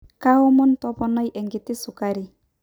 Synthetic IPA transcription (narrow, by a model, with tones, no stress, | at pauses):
ka˦ɔ˦mɔ˦ntɔ˦pɔ˦nɔ˦jʔɛ˨ŋɡɪ˨tɪ˦sʊ˨kaɾi˨